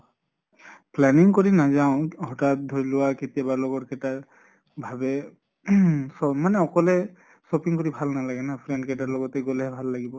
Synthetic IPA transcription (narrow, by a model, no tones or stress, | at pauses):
plɛniŋkoɹinazaʊ̃hɔtat̚dʱoɹilʊwaketijabalɔɡɔtkɛta | bʱabɛ | sɔmanɛɔkɔlɛ | sɔpiŋkoɹibʱalnalaɡɛnapʰɹɛn̚kɛtalɔɡɔtɛɡɔlɛɦɛbʱalːaɡibɔ